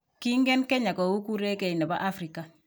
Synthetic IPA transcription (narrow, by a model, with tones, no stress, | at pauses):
ki˦ŋɡɛ˦nke˦ɲa˨ko˨wu˦ku˦ɾe˦ke˨i˨ne˨ba̰˦ʔa˦fɾi˨ka˨